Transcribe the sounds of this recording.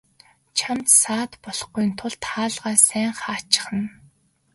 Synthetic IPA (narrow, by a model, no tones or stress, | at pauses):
t͡ɕʰamt̪saːt̪pɔɮɞ̆χɡujnt̪ʰʊɮt̪ʰχaːɮʁaːsæːɴχaːt͡ɕɪ̥̆χə̆n